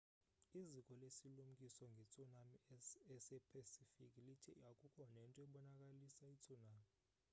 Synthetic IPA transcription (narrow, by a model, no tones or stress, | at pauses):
izikʼɔlesilum̩kʼisɔŋɡʱɛt͡sʰʼunamiɛsɛpʰasifikʼilitʰijakʼukʰɔnaɛntʼɔɛɓɔnakʼalisait͡sʰʼunaːmi